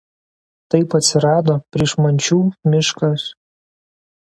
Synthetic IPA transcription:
t̪ɐɪpɐt̪ʲsʲɪɾɑːd̪oːpʲɾʲiɛʃmɐnʲt͡ʃʲuːmʲɪʃkɐs

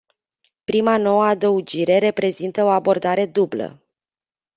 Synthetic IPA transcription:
pɾimano̞wəad̪əud͡ʒiɾe̞ɾe̞pɾe̞zint̪əo̞abo̞rd̪aɾe̞d̪ublə̰

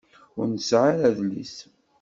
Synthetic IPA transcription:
ʊɾnəsʕaɾæðlḭs

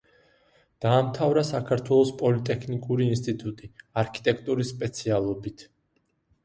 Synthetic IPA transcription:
d̪̥aːmt̪ʰavɾasakʰaɾt̪ʰwɛlˠɔspʼɔlit̪ʼɛkʰnikʼuɾiːnst̪ʼit̪ʼut̪ʼiaɾkʰi̥t̪ʼɛk̚ʰʼt̪ʼuɾisːpʼɛt̪sʰialˠɔbit̪ʰ

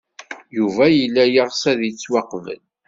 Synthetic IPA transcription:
juvæjəlːæjəʁsæðit͡sːwɑqvə̰n

